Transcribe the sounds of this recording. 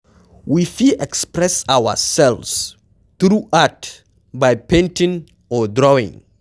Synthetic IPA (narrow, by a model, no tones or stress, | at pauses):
wifiʔɛkspɹɛsawə̰sɛlvs | θɹuat | bajpʰẽntɪ̃ŋ | ɔdɹɔɪ̰̃ŋ